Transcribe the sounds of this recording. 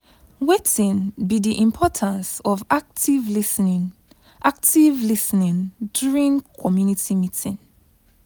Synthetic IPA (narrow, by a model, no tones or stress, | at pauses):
wetĩnbidiʔĩmpʰɔtʰãnsɔvak̚tivlisnĩ | ʔak̚tivlisnĩndjuɹĩnkʰɔmjunitimitʰĩn